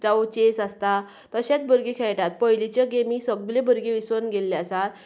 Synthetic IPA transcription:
d͡zaot͡ɕesast̪a | t̪əɕat͡sbəɾɡekʰɛɭʈat̪̚pəjlit͡ɕjaɡemiːsəɡblebəɾɡeʋisʋənɡelːjsat̪

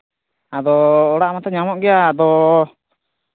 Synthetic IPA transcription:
ad̪ɔːɽaʔmat̪aɲamɔʔɡɛjaːd̪ɔ

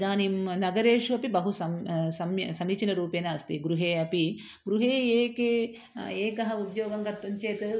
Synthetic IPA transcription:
d̪aːnimnɐɡɐɾeːʂuɐpibɐɦusɐmsɐmsɐmiːt͡ʃinɐɾuːpeːnɐɐst̪iɡɾuɦeːɐpi | ɡɾuɦeːeːkeː | eːkɐɦɐud̪joːɡɐŋɡɐt̪ːuɲt͡ʃeːt̪ɐ

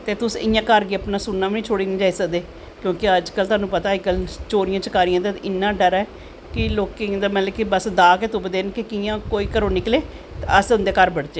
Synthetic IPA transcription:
t̪eːt̪ʊsɪ̰jãːkəɾɡeːəpnaːsʊnːaːʋinĩːt͡ʃʰoːɽiːnĩːd͡ʒaːiːsəkd̪eː | kjõːkɪəd͡ʒkəlt̪ʊɦaːnũːpət̪aːd͡ʒkəlt͡ʃoːɾɪjãːt͡ʃəkaːɾɪjãːd̪aːɪnːaːɖəɾɛː | kɪloːked̪aːmɛ̃ːlɛkːibəsd̪aːkeːt̪ʊpd̪eːnkɪkɪjãːkoːiːkəɾõːnɪkleː | t̪eəsʊnd̪eːkəɾbəɽd͡ʒeː

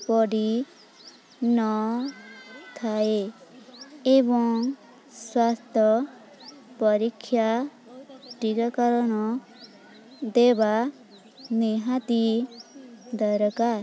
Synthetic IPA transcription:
pɔɖi | nɔ | t̪ʰae | ebɔŋ | swast̪ʰjɔ | pɔɾikʰːja | ʈikakɔɾɔñɔ | d̪eba | neɦat̪i | d̪ɔɾɔkaɾ

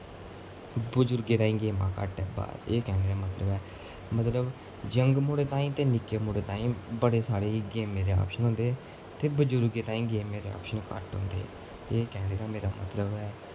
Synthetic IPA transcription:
bʊd͡ʒʊɾɡeːt̪ãːĩːɡeːmã̰ːkə̰ʈɛːba̰ːeːkɛːɽeːɾaːmət̪ləbɛː | mət̪ləb | d͡ʒəŋɡmoːɽeːt̪ãːĩːt̪eːnɪkeːmoːɽeːt̪ãːĩːbəɽeːsaːɽeːɡeːmeːd̪eːɔ̰ːpʃənɦõːnd̪eː | t̪eːbʊd͡ʒʊɾɡeːt̪aːĩːɡeːmeːd̪eːɔ̰ːpʃənkə̰ʈɦõ̰ːnd̪ḛː | eːkɛːɽeːɾaːmeːɾa̰ːmə̰t̪ləbɦɛː

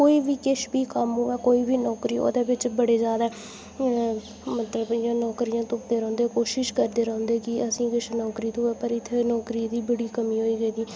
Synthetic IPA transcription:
koːiːbiːkɪʃbiːkəmɦoɛːkoːiːbiːnɔːkɾiːo̰ːd̪eːbɪt͡ʃbəɽeːzjaːd̪aː | mət̪ləbjãːnɔːkɾijãːt̪ʊpd̪eːɾə̃õːnd̪eːkoːʃɪʃkəɾd̪eːɾə̃ːnd̪eːkɪəsĩːkɪʃnɔːkɾiːt̪õːɛːpəɾɪt̪ʰːeːnɔːkɾiːd̪iːbəɽiːkəmiːɦoːiːɡəiːd̪iː

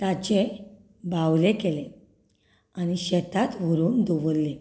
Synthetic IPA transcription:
t̪at͡ɕe | bawlekele | añiɕɛt̪ʰat̪ʋ̤əɾuːnd̪uʋəlːe

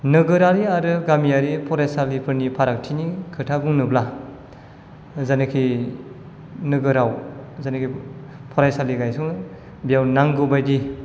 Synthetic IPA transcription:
nɯɡɯɾaɾiaɾɯɡamiaɾipʰɔɾajsalipʰɯɾnipʰaɾak̚tʰinikʰɯtʰabuŋnɯbla | zanɯkʰi | nɯɡɯɾawzanɯkʰipʰɔɾajsaliɡajsuŋ | bijawnaŋɡɯbajdi

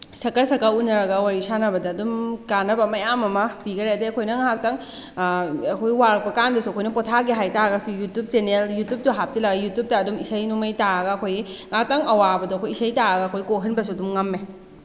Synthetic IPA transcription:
sɐkɐɾsɐkaunɐɾɐɡɐwaɾisanɐbɐdɐːdumkanɐbɐmɐjamɐmɐbiɡɐɾedeɐkʰojnɐŋak̚taŋ | ɐkʰojwaɾɐk̚pɐkandɐsuɐkʰojnɐpɔtʰaɡiɦajtaɾɐɡɐsujutup̚t͡ʃeneljutjup̚tuɦap̚tilaɡɐjutjup̚tɐːdumisɐjnumɐjtaɾɐɡɐːkʰojiŋak̚taŋɐwabɐdoɐkʰojisɐjtaɾɐɡɐɐkʰojkoɦɯnbɐsuɐdumŋɐmːe

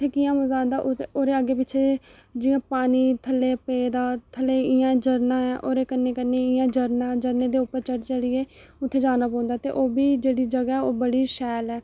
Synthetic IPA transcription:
t̪ʰːeːkɪjãːməzaːnd̪aːʔʊoːɾeːəɡeːpɪːt͡ʃʰeː | d͡ʒɪjãːpaːniːt̪ʰəlːeːpeːd̪aːt̪ʰəleːɪjãːd͡ʒəɾnãːɛːʔoːɾeːkənːeːkənːeːɪjãːd͡ʒəɾnãːd͡ʒəɾneːd̪eːʊpːəɾt͡ʃəɽt͡ʃəɽiːeː | ʊt̪ʰːeːd͡ʒaːnaːpɔ̃ːnd̪aːt̪eːʔoːbiːd͡ʒeːɽiːd͡ʒəɡaːɦɛːoːbəɽiːʃɛːlɛː

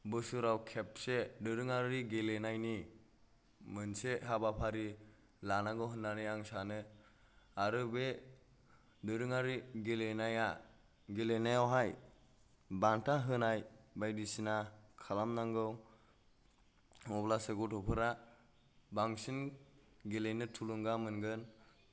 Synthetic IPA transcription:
bɯsuɾawkʰep̚sedɯɾɯŋaɾiɡelenajni | mɯnseɦabapʰaɾi | lanaŋɡɯwɦɯnːanijaŋsanɯ | aɾɯbe | dɯɾɯŋaɾiɡelenaja | ɡelenajawɦaj | bantʰaɦɯnajbajdisinakʰalamnaŋɡɯw | ɔblaseɡutʰɔpʰɯɾa | baŋsin | ɡelenɯtʰuluŋɡamɯnɡɯn

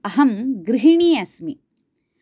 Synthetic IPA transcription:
ɐɦɐmɡɾiɦiɳiːɐsmi

